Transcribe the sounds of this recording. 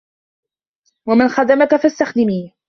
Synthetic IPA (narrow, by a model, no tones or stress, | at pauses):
wamanxad̪amakafast̪axd̪ɪmiː